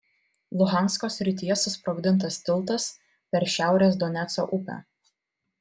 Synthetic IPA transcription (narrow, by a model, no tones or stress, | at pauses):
lˠʊɣɑˑnskoːsʲɾʲɪt̪ʲɪjɛsʊspɾoɡʲd̪ʲɪnˑt̪̬ɐst̪ʲɪlˠt̪ɐs | pʲɛɾʃʲæˑʊɾʲeːs̬d̪ɔnʲɛt̪so̰ːʔʊpʲæ̰ː